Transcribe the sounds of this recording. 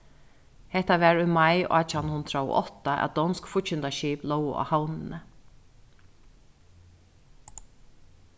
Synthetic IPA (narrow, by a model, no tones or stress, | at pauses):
hɛht̪aʋɛːɹʊmaja̰ːt͡ʃanhʊnd̪ɾaɔ̰ʔɔ̰t̪aʔæ̰wd̪ɔnskfʊcʃɪnt̪aʃiːplɔwʊ̰a̰hawnɪnə